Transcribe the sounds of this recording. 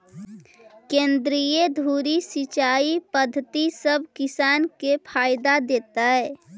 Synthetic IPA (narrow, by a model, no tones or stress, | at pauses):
kẽnd̪ɾijed̪ʱuɾisit͡ʃaipəd̪ʱːət̪isəbʱkisaːnkepʰajd̪ad̪et̪aɛ